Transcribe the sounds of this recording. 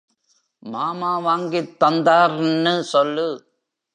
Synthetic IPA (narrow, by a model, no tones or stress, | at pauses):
maːmaːʋaːŋɡɪt̪ːɐnd̪aːɾnːɯsɔlːɯ